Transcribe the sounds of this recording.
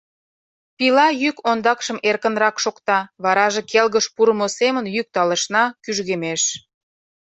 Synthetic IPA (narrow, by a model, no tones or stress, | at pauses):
pilɑjykond̪ɑkʃəmerkə̆nrɑkʃokt̪ɑβɑɾɑʒekelɣəʃpuɾəmosemənjyk̚t̪ɑlə̆ʃnɑkyʒɣemeʃ